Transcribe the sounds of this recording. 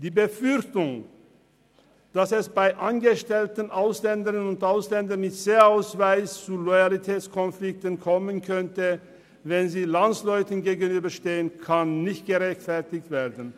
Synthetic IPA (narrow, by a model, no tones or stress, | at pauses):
d̥iːbəfʏʁçtʊŋ | d̥asɛsb̥aɪʔanɡəʃtɛltən̩ʔaʊslɛndəʁənʊntʔaʊslɛndɐnmɪtseːaʊsv̥aɪst͡sulɔjalitʰɛːt͡skʰɔnflɪk̚tənkʰɔmənkʰœntə | vɛnziːlanslɔʏtənɡeːɡənyːbɐʃteːənkʰanːɪçt̚ɡ̥əʁɛçtfɛɐtɪçtv̥eːɐdn̩